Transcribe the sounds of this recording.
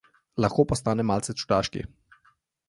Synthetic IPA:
laxkoːpɔst̪aːnɛmaːlt̪sɛt͡ʃu̥d̪aʃkḭ

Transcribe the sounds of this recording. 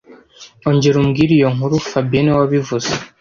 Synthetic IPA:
oɲɟeɾumɡiɾijoŋhuɾufabjenewaβivuze

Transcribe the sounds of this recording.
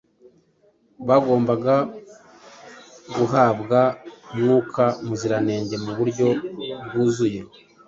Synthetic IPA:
βaɡo̞ːmbaɡa | ɡuɦaːbɡamŋuːkʰamuziɾane̞ːɲɟe̞muβuɾɟo̞bɡuːzuje̞

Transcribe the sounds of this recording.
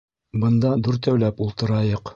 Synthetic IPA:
bɤ̆nd̪ɑd̪uɾt̪æwlæpulˠt̪ɤ̆ɾɑjɤq

